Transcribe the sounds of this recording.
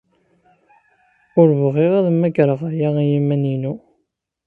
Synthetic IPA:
ʊɾvʁiʁæðmæɡɾəʁajaijimæninu

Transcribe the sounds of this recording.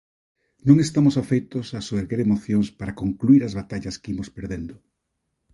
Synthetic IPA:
nõŋest̪amʊsafejt̪ʊsasoβeɾɣeɾemoθjoŋspaɾakoŋkluiɾɐzβat̪aʎɐskeimospeɾðend̪ʊ

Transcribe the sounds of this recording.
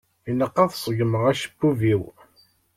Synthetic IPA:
inəqːɑðsˤəʝəməʁæʃə̥bːuviw

